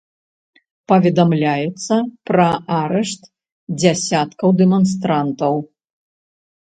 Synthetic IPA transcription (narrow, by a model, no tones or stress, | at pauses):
pɐvʲɛd̪amlʲajɛt̪sːɐpɾɐʔaɾɛʂt̪ | d͡zʲasʲat̪kɐwd̪ɛmɔnst̪ɾant̪ɐw